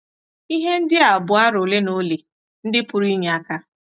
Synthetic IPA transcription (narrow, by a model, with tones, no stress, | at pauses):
i˦ɦe˦n̩˦dɪ˦a˨bʊ˨a˦ɾʊ˨le˦no˦le˨ | n̩˦dɪ˦pʊ˨ɾi˦ɲe˨a˦ka˦